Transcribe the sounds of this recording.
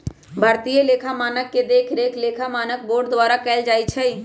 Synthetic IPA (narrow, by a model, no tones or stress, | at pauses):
bʱəɾt̪ijeleːkʰamaːnəkːed̪eːkʰɾekʰleːkʰamaːnək̚boːɖd̪ʋaːɾakɛːld͡ʒaːjt͡ʃʰɛi